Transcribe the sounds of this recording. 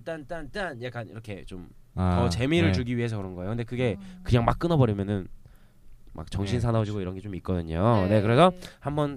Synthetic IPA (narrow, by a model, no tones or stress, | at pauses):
t͈ant͈ant͈anjak͈anḭɾʌkʰe̞t͡ɕomtʌt͡ɕe̞miɾɯɭt͡ɕuɡiɥiɦe̞s̬ʰʌkɯɾʌnɡʌeokɯnd̪e̞kɯɡe̞kɯɲaŋmak͈ɯnʌbʌɾimjʌnɯn | ma̰k̚t͡ɕʌŋɕʰinsʰanʌd͡ʑiɡoiɾʌnɡet͡ɕomit̚k͈ʌdɯɲone̞kɯɾe̞sʰʌhambʌn